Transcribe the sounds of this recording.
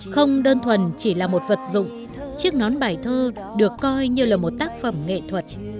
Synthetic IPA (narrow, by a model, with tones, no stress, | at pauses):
xə˧wŋ͡mɗəː˧nt̪ʰwə˨˩nt͡ɕi˧˩laː˨˩mo˨˩t̚və˨˩t̚zʊ̰˧˨ŋ͡m | t͡ɕi˦˥ək̚nɔ˨˦nɓaː˨˩jt̪ʰəː˧ | ɗɨ˨˩əkːɔ˧jɲɨ˧laː˨˩mo˨˩t̚t̪aː˦˥k̚fə˧˩mŋḛ˧˨t̪ʰwə˨˩t̚